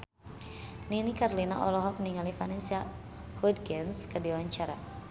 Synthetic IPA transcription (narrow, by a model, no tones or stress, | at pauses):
ninikarlinaʔɔlɔɦɔk̚niŋalifanɛnsia | hud̚ɡɛnskədiwaɲt͡ʃaɾa̰